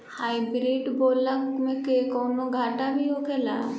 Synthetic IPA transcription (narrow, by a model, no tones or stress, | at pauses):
haːibɾiːɖboːləkmẽkekoːnoɡʱaːʈabʱiɦoːkeːla